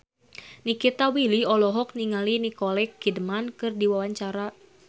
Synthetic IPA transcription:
nikit̪awiliɔlɔɦɔk̚niŋalinikɔlɛkːidmankɨrdiwawaɲt͡ʃaɾa

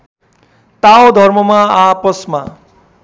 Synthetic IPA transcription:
t̪aod̪ʱʌrmʌmaapʌsma

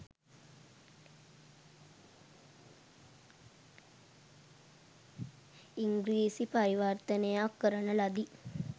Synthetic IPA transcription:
iŋɡɾiːsipaɾiʋart̪ənəjakːəɾənəlad̪i

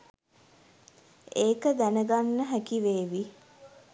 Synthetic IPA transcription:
eːkəd̪ænəɡanːəɦækiʋeːʋi

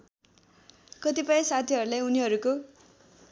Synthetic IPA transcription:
kʌt̪ipʌj̃sat̪ʰiɦʌɾulajuniɦʌɾuko

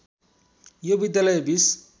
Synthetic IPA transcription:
jobid̪jalʌjbis

